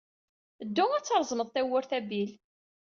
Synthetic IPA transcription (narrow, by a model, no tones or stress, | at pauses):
əd̪ːʊŋæt͡sːəɾˤzˤməðˤt̪æwʊɾθæbil